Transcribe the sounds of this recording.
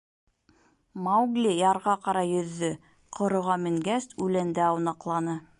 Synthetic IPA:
mawɡlʲijɑɾʁɑqɑɾɑjɵ̆ðːɵ | qʰŏɾŏʁɑmɘ̆ŋɡæsʉlænd̪æɑwnɑqlˠɑnɤ

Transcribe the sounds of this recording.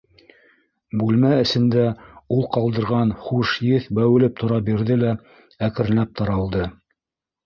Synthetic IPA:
bʉlmæɘ̆sɘ̆nd̪æulˠqɑlˠd̪ɤ̆ɾʁɑnχuʃjɘθbæwɘ̆lɘp̚t̪ʰŏɾɑbiɾðɘlæ | ækɘ̆ɾ̆læp̚t̪ʰɑɾɑlˠd̪ɤ

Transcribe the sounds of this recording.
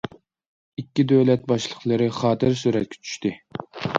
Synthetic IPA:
ikʲːid̪øwlɛt̪̚bɑʃlˠəχlˠɨɾɨχɑːt̪ʰɨɾsyɾɛt̪̚kʲʰɛ̥t͡ʃʰy̥ʃt̪ɪ

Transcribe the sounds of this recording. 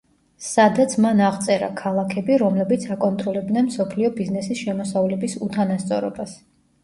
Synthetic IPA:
sad̪at̪sʰmanaʁt̪sʼɛɾa̰kʰalˠakʰɛbiɾɔmlɛbit̪sʰakʼɔnt̪ʼɾɔlɛb̚d̪nɛnmsɔpʰliɔbiznɛsisʃɛmɔsavlɛbisut̪ʰanast̪sʼɔɾɔ̰bas

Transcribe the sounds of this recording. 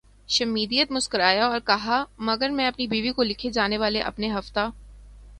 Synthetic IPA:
ʃɐmiːd̪ijət̪mʊskəɾaːjaɔːɾkɐɦamɐɡəɾmɛ̃ɐpnibiːʋikolɪkʰed͡ʒaːneʋaːleʔɐ̰pneɦɐft̪aː

